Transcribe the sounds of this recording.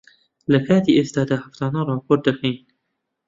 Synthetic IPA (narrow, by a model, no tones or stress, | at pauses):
lɐkʰaːt̪iːʔeːst̪ɑːd̪aːhaft̪ɑːnɑːɾˤɑːpʰoːɾt̪̚d̪ɐxejn